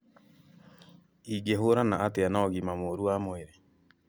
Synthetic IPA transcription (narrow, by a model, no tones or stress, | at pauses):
iɡeɦoɾanaʔateanaɔɣimamoːɾuamoeɾe